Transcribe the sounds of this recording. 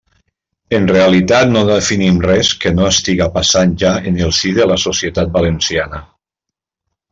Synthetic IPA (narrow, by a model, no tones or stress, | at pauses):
ənreəlit̪at̪noðəfinimrɛskənoəst̪iɣapasanʒaenəlˠsiðələsosiət̪at̪̚balənsianə